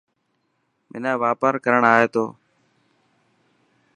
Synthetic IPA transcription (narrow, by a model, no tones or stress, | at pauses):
mɪ̰naːʋaːpaːɾkəɾəɳaːɦeːt̪oː